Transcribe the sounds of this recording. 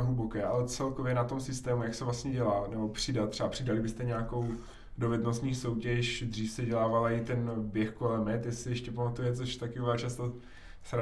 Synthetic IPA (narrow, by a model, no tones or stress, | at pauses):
ɦlubo̞kɛːʔa̰lɛt͡sɛlko̞vjɛnat̪o̞msɪst̪ɛːmujaksɛvlast̪ɲɛɟɛlaːnɛbo̞pr̝̥ɪdat̪t̪ːr̥ɛapr̥ɪdalɪbɪst̪ɛɲɛako̞w | do̞vɛdno̞st̪ɲiːso̞wcɛʃd̪riːfsɛɟɛlaːvalaɪt̪ɛnbjɛxkolɛmɛt̪jɛsɪɛʃcɛpamat̪ujɛt͡soʃt̪akɪuvaːt͡ʃast̪o | sɾa